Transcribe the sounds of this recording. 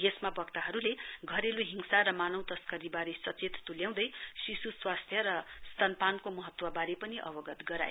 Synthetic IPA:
ɡesmabʌkt̪aɦʌɾuleɡʱʌɾeloɦiŋsaɾʌmanʌw̃t̪ʌskʌɾibaɾesʌt͡set̪t̪uljãw̃d̪ʌjsisuswast̪ʰjʌɾʌst̪ʌnpankomʌɦʌt̪wʌbaɾepʌniʔʌ̰bʌɡʌt̪ɡʌɾa̰j

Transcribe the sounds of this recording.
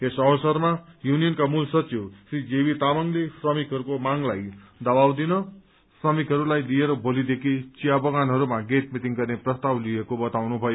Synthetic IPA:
esʌsʌrmajunijʌnkamulsʌt͡sjosrid͡zebit̪amʌŋlesʰrʌmikʰɦʌɾukomaŋlajd̪ʌbawd̪inʌ | srʌmikɦʌɾulajlijeɾʌbʱolid̪ekʰit͡sijabʌɡanɦʌɾumaɡet̪mit̪iŋɡʌrneprʌst̪awlijekobʌt̪awnubʱʌjo

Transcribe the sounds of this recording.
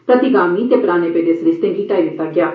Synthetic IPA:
pɾət̪iɡaːmiːt̪eːpɾaːneːpeːd̪eːsɾɪst̪ẽːɡiːʈaːid̪ɪt̪ːaːɡɪjaː

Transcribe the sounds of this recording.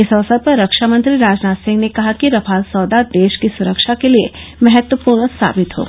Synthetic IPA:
ɪsɐʋsət̪̚pɐɾːɐkʃamə̃nt̪ɾiɾaːd͡ʒnaːt̪sɪ̃ŋɡnekɐɦakiɾɐpʰaːlsɔːd̪ad̪eːʃkisʊɾəkʃakeliemɛɦɛt̪wəpuːɾɳsa̰ːbɪt̪ɦo̰ː

